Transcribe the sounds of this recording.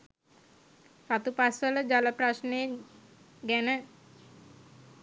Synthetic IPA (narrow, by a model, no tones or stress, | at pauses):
sat̪upasələd͡ʒalaprasne | ɡɛnə